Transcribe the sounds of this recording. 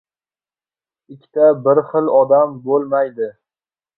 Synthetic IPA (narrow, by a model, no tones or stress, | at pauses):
ɪkʲʰːɪ̥t̪ʰabɪɾχɨlˠɒd̪ambolˠmajd̪ɪ